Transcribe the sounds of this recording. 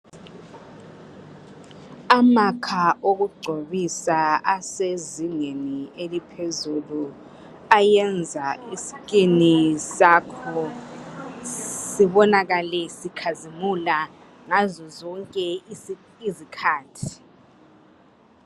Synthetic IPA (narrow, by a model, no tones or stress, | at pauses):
amakʰaʔoɣuɡ͡ǀʱoβisaaseziŋenielipʰezulu | ajɛnd͡zʱaisi̥ɣʼinisakʰɔ | siβɔnaɣalɛsikʰazimula | ŋazɔzɔŋkʼɛ | izikʰaːtʰi̥